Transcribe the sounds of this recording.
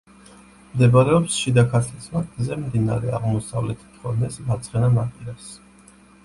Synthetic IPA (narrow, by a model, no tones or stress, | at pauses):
md̪ɛbaɾɛɔpsʃid̪akʰat̪ʰlismaɾt̪ʼzɛmd̪ina̰ɾɛaʁmɔsavlɛt̪ʰi̥t̪ʰχɔɾmɛsvat̪sʰʼχɛnanaqʼiɾas